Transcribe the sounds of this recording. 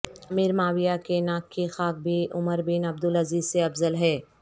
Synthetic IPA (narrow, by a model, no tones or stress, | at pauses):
ɐmiːɾmaːwijakenaːkʰːixaːk̚bʱiʔʊməɾbiːnɐb̚d̪ʊlɐziːzseɐbzəlɦɛː